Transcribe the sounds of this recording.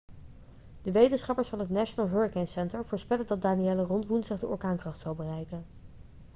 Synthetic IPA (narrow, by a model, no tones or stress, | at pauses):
d̥əʋejtənsχɑpəɹsfɑnɦətnaʃənaːlˠɦøɹikɛnsɛntəɹvʊːɹspɛləndɑt̚daːniɛlərɔntʋunsɪχdəɔlkaːŋkrɑχtsɑlˠbərɛjkən